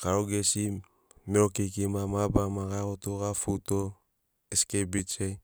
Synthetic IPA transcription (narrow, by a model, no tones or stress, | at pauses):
kaɾoɡesi | meɾokikimamabamaɡakotoɡafuto | eskebit͡ʃe